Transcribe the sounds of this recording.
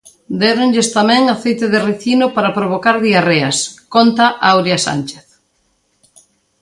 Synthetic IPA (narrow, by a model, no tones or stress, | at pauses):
d̪ɛɾonʎest̪amɛ̃ŋaθejt̪eðɪriθinopaɾapɾoβ̞okaɾðiareɐskont̪aʔawɾjasa̰nt͡ʃeθ